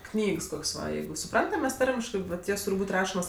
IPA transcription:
ˈknʲiːks ˈkoːksʲ ˈʋɐ ˈjɛɪɡʊ sʊˈprɐntɐm ˈmʲɛs ˈtɐrʲmʲɪʃkɜ ʋɐt ˈjoːs ˈtuːrʲ ˈbuːtʲ ˈrɑːʃoːmoːs

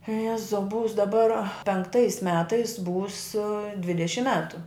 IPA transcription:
ˈjæːzɐʊ ˈbʊʋʊs dɐˈbɐr pʲɛŋkˈtɐɪs ˈmʲæːtɐɪs buːs ˈdʲʋʲɪdʲɛʃʲɪm ˈmʲæːtʊ

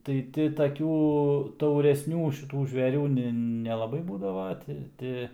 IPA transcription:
tɐɪ ˈtʲɪ tɐˈkʲuː tɐʊrʲɛsʲˈnʲuː ʃʲɪˈtuː ʒʲʋʲɛˈrʲuː nʲɪ nʲɛlˠɐˈbɐɪ ˈbuːdɐʋɐ ˈtʲɪ ˈtʲɪ

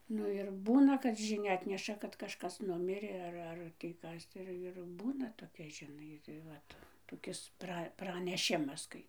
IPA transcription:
ˈnʊ ɪr ˈbuːnɐ kɐt ʒʲɪˈnʲɛ ˈɑːtʲnʲɛʃɐ kɐt kɐʃˈkɐs ˈnʊmʲɪrʲeː ˈɐr ˈɐr tʲiː ˈkɐs ˈɪr ɪr ˈbuːnɐ toːˈkʲɛ ʒʲɪˈnɐɪ tɐɪ ˈʋɐt toːˈkʲɪs ˈprɐ prɐnʲɛˈʃʲɪmɐs ˈkɐɪ

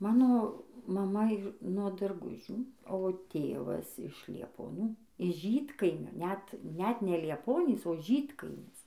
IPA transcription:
ˈmɑːnoː mɐˈmɐ ˈiːr nuɔ dɐrˈɡʊʒʲuː oː ˈtʲeːʋɐs ɪʃ lʲiɛpoːˈnʲuː ɪʃ ˈʒʲiːtkɐɪmʲoː nʲɛt ˈnʲɛt nʲɛ lʲiɛˈpoːnʲiːs oː ˈʒʲiːtkɐɪmʲɪs

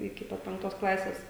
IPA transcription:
ɪkʲɪ ˈpɐt pʲɛŋkˈtoːs ˈklˠɑːsʲeːs

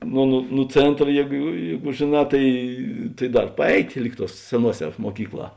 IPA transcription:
nʊ nʊ nʊ ˈt͡sʲeːntrɐ ˈjeːɡʊ ˈjeːɡʊ ʒʲeːˈnɑː ˈtɐɪ tɐɪ ˈdɐr pɐˈɛɪtʲ ˈlʲiːk ˌtuɔs sʲɛˈnuɔˌsʲɛː muɔˈkʲiːkˌlˠɑː

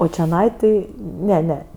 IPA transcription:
oː t͡ʃʲɛˈnɐɪ ˈtʲɪ ˈnʲɛ ˈnʲɛ

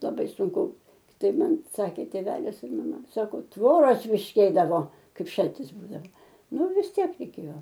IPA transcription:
lˠɐˈbɐɪ sʊŋˈkʊ ˈtɐɪp ˈmɐn ˈsɑːkʲeː tʲeːˈʋʲæːlʲɪs ɪr mɐˈmɐ ˈsɑːkoː ˈtʋoːroːs ˈpʲiːʃʲkʲeːdɐʋoː ˈkɐɪp ˈʃɐlʲtʲɪs ˈbuːdɐʋɐ ˈnʊ ʋʲɪs ˈtʲiɛk rʲɛɪˈkʲeːjoː

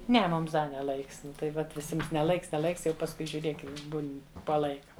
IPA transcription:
ˈnʲɛ ˈmʊms ˈdɐ nʲɛ ˈlˠɐɪks ˈnʊ tɐɪ ˈʋɐt ʋʲɪˈsʲɪms nʲɛ ˈlˠɐɪks nʲɛ ˈlˠɐɪks ˈjɛʊ pɐsˈkʊɪ ʒʲʊˈrʲeːk ˈjɛʊ ˈbuːnʲ poː ˈlˠɐɪkɐ

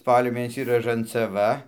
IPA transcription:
ˈspɑːlʲoː ˈmʲeːnʲɛsʲiː rɐʒɐnt͡sɐˈʋɐ

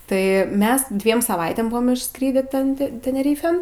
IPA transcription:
ˈtɐɪ ˈmʲɛs ˈdʲʋʲiɛm sɐˈʋɐɪtʲeːm ˈbʊʋoːm ɪʃˈskrʲiːdʲiː ˈtʲɛn tʲɛ tʲɛnʲɛˈrʲiːfʲeːn

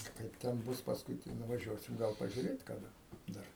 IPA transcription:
ˈkɐɪp tʲɛn ˈbʊs pɐsˈkʊɪ tɐɪ nʊʋɐˈʒʲuɔsʲɪm ˈɡɐlˠ pɐʒʲʊˈrʲeːt kɐˈdɐ ˈdɐr

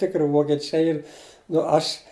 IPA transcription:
ˈtʲɪkrʲɪ ʋoːkʲɛˈt͡ʃʲɛɪ ˈiːr nʊ ˈɐʃ

